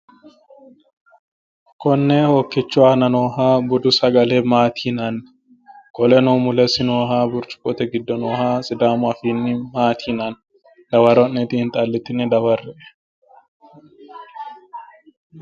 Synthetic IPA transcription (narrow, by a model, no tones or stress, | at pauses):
kɔnːeːhokːɛt͡ʃːʊwaːnɐnoːɦaːbʊd̪ʊsɐɡɐleːmaːt̪ʰiːnan | kɔlɛnoːmʊlɛsɪnoːɦaːbʊɾt͡ʃʼʊ̥kʼːɔt̪ɛɡɪd̪ːɔnoːhaːsʼɪd̪aːmʊɐfiːnːɪmaːt̪ʰiːnan | d̪̥ɐwɐɾɔnːɛt̪ihɪnt̪ʼalːɪt̪ɪnɛd̪ɐwɐrːɛʔɛ